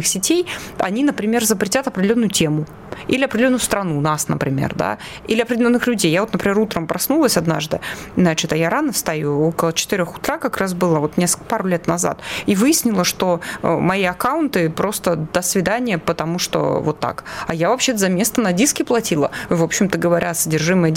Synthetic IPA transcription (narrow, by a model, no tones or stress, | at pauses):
ɨxsʲɪtʲejɐ̰nʲinəpɾʲɪmʲerzəpɾʲɪtʲat̪ɐpɾʲdʲɪlʲonːʊjʊtʲe̞mʊ | ilʲɪɐpɾʲdʲɪlʲonːʊst̪ɾɐnunasnə̰pɾʲɪmʲḛrd̪a̰ | ilʲɪɐpɾʲɪdʲɪlʲo̞nːɨxlʲʉdʲejːavo̞t̪nəpɾʲɪmʲeɾut̪ɾəmpɾʔɐsnulˠəsʲɐd̪na̰ʐd̪ɨ̰nat͡ɕɪt̪ɐjaɾanəst̪ɐjuo̞kəlˠət͡ɕɪ̥t̪ɨɪɾʲo̞xʊ̥t̪ɾakɐkɾas̬bɨlˠəvo̞t̪nʲeskpaɾʊlʲe̞t̪nɐza̰t̪ivɨjɪsʲnʲɪlˠəʂt̪o̞̰mɐiɐkaʊnt̪ɨpɾo̞st̪əd̪əsvʲɪd̪anʲɪjəpət̪ɐmuʂt̪o̰vo̞̰t̪ːa̰kɐjavɐpɕːe̞t̪əzɐmʲe̞st̪ənɐdʲiskʲɪplˠɐtʲilˠə̰ɨvo̞pɕːɪmt̪əɡəvɐɾʲʔaɐsədʲɪrʐɨməj